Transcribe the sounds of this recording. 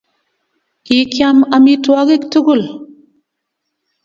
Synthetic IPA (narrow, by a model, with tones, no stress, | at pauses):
ki˨˦kja˦ma˨mi˦twa˦ɡi˦ktu˦ɡu˦˨l